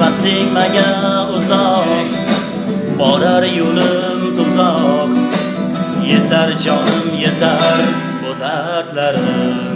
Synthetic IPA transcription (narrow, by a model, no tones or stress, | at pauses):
baslɪŋʲmaɡʲaʊzɒq | bɒɾaɾjolɪ | mt̪ʰʊzɒq | jet̪ʰaɾd͡ʒɒnɪmjet̪ʰaɾ | bod̪a | ɾt̪laɾɪ